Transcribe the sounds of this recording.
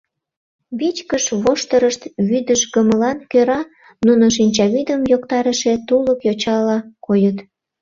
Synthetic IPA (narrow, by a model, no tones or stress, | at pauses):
βit͡ɕkəʃβoʃt̪əɾəʃt̪βyd̪əʃɡəməlɑnkøɾɑ | nunoʃ̬inʲt͡ɕɑβid̪əmjokt̪ɑɾəʃet̪uləkjot͡ɕɑlɑkojət̪